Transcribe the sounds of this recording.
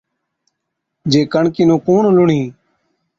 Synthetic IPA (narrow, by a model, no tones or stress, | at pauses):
d͡ʒeːkəɳkiːnũːkuːɳlʊɳĩː